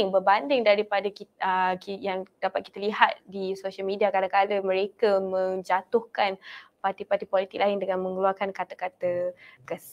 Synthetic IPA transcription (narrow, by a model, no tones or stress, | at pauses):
ŋbərbandɪŋdaɾipadəkiəkijaŋd̥apat̪̚ki̥t̪əliɦat̪̚disoʃalmidiakadakaləmə̃ɾekamə̃ŋd͡ʒat̪ʊhkanpart̪ipart̪ipolit̪ɪk̚laɪndəŋanmə̃ŋəluarkankat̪əkat̪əkəs